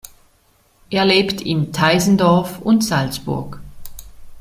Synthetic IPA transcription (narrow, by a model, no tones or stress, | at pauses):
ʔeːɐleːptʰɪntʰaɪzn̩dɔɐfʊntz̥alsb̥ʊ̰ɐk